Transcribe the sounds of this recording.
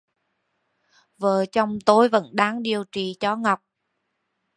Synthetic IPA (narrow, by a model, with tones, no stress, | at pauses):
vəː˨˩t͡ɕɔ˧wŋ͡mt̪o˨˦jvə̰˧˥nɗaː˨˦ŋɗi˨˩əwt͡ɕi˨˩t͡ɕɔ˧˦ŋa˨˩wk͡p̚